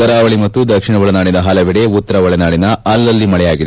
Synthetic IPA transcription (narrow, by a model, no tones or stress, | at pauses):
ɐɾaːʋɐɭimɐt̪ːud̪ɐkʂiɳɐʋɐɭɐnaːɽinɐɦɐlɐʋiɽeut̪ːɐɾɐʋɐɭɐnaːɽinɐɐlːɐlːimɐɭɛjaːɡid̪